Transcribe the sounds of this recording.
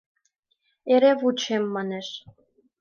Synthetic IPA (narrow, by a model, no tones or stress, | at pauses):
eɾevut͡ɕemːɑneʃ